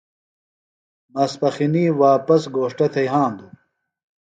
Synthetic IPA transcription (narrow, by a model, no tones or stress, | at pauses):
mɐspɐxiniːwaːpɐsɡoːʂʈɐt̪ʰɐjɦãːnd̪u